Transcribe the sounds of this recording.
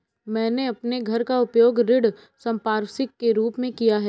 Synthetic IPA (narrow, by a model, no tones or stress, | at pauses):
mɛ̃ːneɐpneɡʱɐɾkaʊpjoːɡɾɪɽ | sɐ̃mpaːɾsɪkːeɾuːpmẽkijaɦɛː